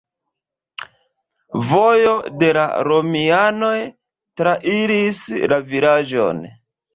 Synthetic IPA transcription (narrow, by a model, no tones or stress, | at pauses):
vojo̞de̞la̰ɾo̞miano̞j | tɾaʔiɾislaviɾad͡ʒo̞̰n